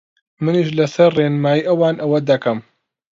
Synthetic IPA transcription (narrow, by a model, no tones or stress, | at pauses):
mɨniʃlɐsɐɾreːnmaːjiʔɐwaːnʔɐwɐd̪ɐkɐm